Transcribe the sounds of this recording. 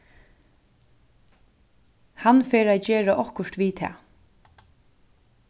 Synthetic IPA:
hanfeːɾad͡ʒeːɹaʔɔhkʊʂt̪ʋiːt̪ʰɛ̰ː

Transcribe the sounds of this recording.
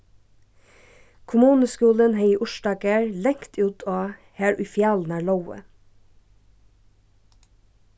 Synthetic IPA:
kʰʊmuːnəskʉːlənheɪiːʔʊʃdɑːɡæɹlɛŋt̪ʰʉːt̪ʰoː | hæːɹʔʉfjɑːln̩æːɭɑʊə̰

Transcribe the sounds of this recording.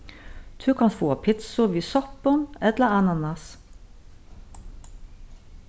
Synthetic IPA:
d̪̥ʰʉːkʰɑnfoːɑpʰɪt̪sʊʋiːsɔpənɛt̪ləɑnɑnɑs

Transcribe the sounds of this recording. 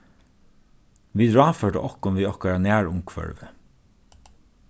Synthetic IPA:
ʋiːd̪ɹɑːfœɖə̰ʔɔhkʊnʋiːɔhkɛːɹanæːɹʊmkʰʋœ̰ɹʋə

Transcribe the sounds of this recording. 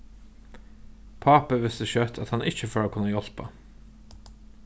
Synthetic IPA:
pʰɑːpəʋɪst̪əçœt̪ʰɑt̪hɑnɪçəfoːɾoːkʰʉnəjɔlpə̰

